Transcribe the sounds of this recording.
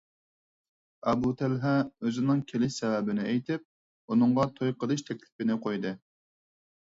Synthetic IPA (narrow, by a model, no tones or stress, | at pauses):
ɑbut̪ʰælɦɛøzɪnɨŋkʲʰelɪʃsɛwɛbɪnɪejt̪ʰɪp̚ | unɨŋʁɑt̪ʰojqʰəd̪ɨʃt̪ʰɛkʲlɪpɪnɪqʰojd̪ɨ